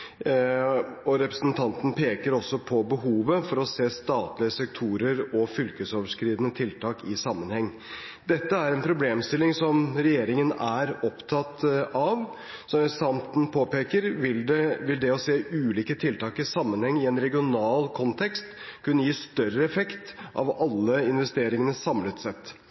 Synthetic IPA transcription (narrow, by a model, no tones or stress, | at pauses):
ɔɾɛpɾəsnt̪ʰɑnt̪n̩pʰeːkəɾɔsːɔpʰɔbəɦuːʋəfɔɾɔseːst̪ɑːt̪lɪəsɛkt̪ʰuːɾəɾɔfʏlkəsoːʋəʂkɾiːd̪ənət̪ʰɪlt̪ʰɑːkɪsɑmːənhɛŋː | d̪ɛt̪ːəæɾɛnpʰɾʊbleːmst̪ɪlːɪŋsɔmɾɛjeːɾɪŋənæɾɔpt̪ʰɑt̪ɑʋ | sɔsɑmt̪n̩pʰoːpeːkəɾɪʋɪld̪ɛɔseːʉːliːkət̪ʰɪlt̪ɑːkɾɪsɑmːənhɛŋːɪɛnɾɛɡɪʊnɑːlkʰɔnt̪ʰɛkst̪kʰʉnːəjiːst̪œɾəɛfɛkt̪ʔɑ̰ʋɑlːəɪnʋɛst̪eːɾɪŋənəsɑmlət̪sɛt̪ː